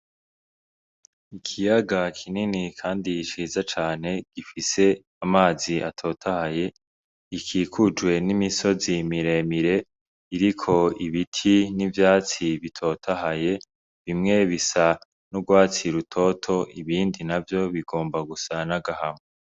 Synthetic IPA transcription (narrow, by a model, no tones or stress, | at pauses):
ikʰijaɡakʰininikʰaːndiːʃiːzat͡ʃaːne̞ɡ̥ifise̞ | amaːziʔa̰tʰo̞ːtʰahaje̞ | ikʰiːkʰud͡ʒɡwe̞nimiso̞zimiɾe̞miɾe̞ | iɾikʰo̞iβitʰinivjaːt͡siβitʰo̞tʰaɦaje̞ | βimŋe̞βisa | nuɡwaːt͡siɾutʰo̞tʰo̞ʔiβiːndinavjo̞βiɡo̞ːmbaɡusanaɡahame